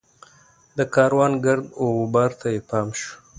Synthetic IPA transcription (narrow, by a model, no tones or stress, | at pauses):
d̪əkɑːɾwɑːnɡaɾd̪obɑːɾt̪ʰajepɑːmʃu̥